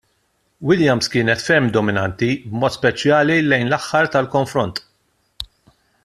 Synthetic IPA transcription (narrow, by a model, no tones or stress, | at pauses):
wɪljɐmskɪːnɛt̪fɛmd̪ɔmɪnɐnt̪ibmɔːt̪spɛt͡ʃjɐːlilɛjnlɐħːɐɾt̪ɐlkɔɱfɾɔnt̪